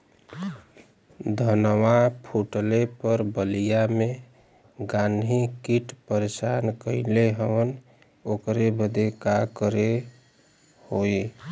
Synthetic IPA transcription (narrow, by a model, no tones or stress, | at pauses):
d̪ʱənwapʰuʈəlepəɾbəlijame | ɡanʱɦikiʈpəɾesankəɪleɦəʋən | okɾebəd̪ekakəɾe | hoi